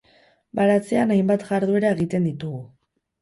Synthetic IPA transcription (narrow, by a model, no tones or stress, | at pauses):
baɾat͡se̞anajmbat̪ʝaɾðue̞ɾaeɣit̪e̞nd̪it̪uɣu